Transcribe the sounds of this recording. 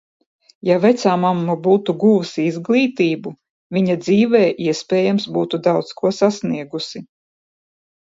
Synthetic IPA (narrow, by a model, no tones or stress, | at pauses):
javɛt̪saːmamːubuːt̪uɡuːsiizɡlˠiːt̪iːbu | vʲiɲad̪ziːvɛːʔiɛspʲɛːjamsbuːt̪ud̪awt̪skuɔsasniɛɡusi